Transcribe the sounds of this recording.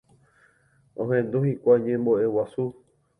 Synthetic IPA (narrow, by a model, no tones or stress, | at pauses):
õɦẽnd̪ũhikʷajɲẽmboʔe̞wasu